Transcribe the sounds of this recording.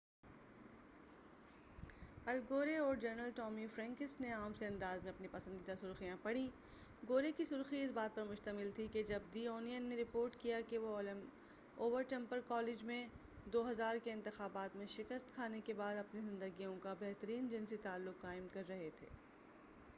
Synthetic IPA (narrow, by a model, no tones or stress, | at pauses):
ɐlɡoːɾeɔːɾd͡ʒɐɾnəlʈɔːmifɾɛ̃ːŋkɪsneaːmseɐ̃nd̪aːzmẽɐpnipɐsə̃nd̪id̪asʊɾxijãpɐɽĩ | ɡoːɾekisʊɾxiɪsbaːt̪̚pɐɾmʊʃt̪əmɪlt̪ʰiked͡ʒɐb̚d̪iːoːnijənːeɾɪpoːɾʈkijakeʋolm | oːʋəɾʈɛ̃mpəɾkɔːlɪd͡ʒmẽ | d̪oːɦɐzaːɾkeɪ̃nt̪ɪxaːbaːt̪mẽʃɪkəst̪kʰaːnekebaːd̪ɐpnizɪ̃nd̪əɡijõkabɛɦt̪əɾiːnd͡ʒɪnsit̪aːlːʊkːaːɪmkɐɾːɐɦet̪ʰḛː